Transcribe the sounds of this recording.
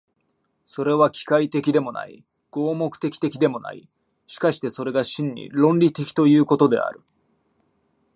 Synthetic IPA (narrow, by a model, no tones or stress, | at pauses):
so̞ɾe̞βakʲi̥kait̪e̞kʲid̪e̞mo̞na̰ḭ | ɡ̥o̞ːmo̞kɯ̥t̪e̞kʲi̥t̪e̞kʲid̪e̞mo̞na̰ḭ | ɕi̥kaɕi̥t̪e̞so̞ɾe̞ɡaɕĩɲ̟ːḭɾõ̞nɾʲit̪e̞kʲi̥t̪o̞jɯ̟ːko̞t̪o̞d̪e̞̰a̰ɾɯ̟